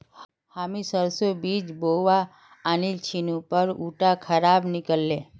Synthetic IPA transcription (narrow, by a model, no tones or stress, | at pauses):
hamisəɾsobid͡ʒboʋaː | nilt͡ʃʰinũpəɾuʈakʰəɾabnɪkəlːe